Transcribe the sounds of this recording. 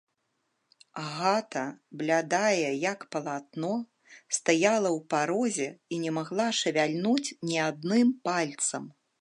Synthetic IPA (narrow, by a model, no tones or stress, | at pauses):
aɣat̪ɐblʲad̪ajɛjɐkpɐlˠat̪̚nɔ | st̪ajalˠɐwpaɾɔzʲɛinʲɛmaɣlˠaʂɐvʲalʲnut͡sʲnʲɛad̪̚nɨmpalʲt̪sɐm